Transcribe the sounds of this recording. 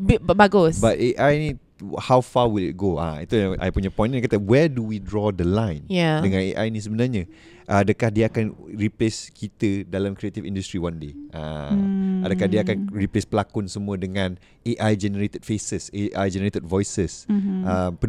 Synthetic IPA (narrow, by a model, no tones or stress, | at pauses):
bbaɡʊsbat̪eʔajnĩ | hawfawilḭt̚ɡoa̰ḭt̪ujaʔa̰jpuɲapɔ̃j̃ñnakat̪awɛduwidɹɔd̪əlãjnjadəŋãnḛʔa̰jnĩs̬əbənarɲã | ʔadəkahdiaakanɹipleskit̪ədalamkɾiet̪ifḭ̃ndust̪ɾiwãndeʔã | adakahdiaakanɹiplespəlakʊnsəmũədəŋãn | eʔajd͡ʒɛnəɾet̪əd̥̚fesəseʔajd͡ʒɛnəɾet̪əd̚vɔjsəsəmpə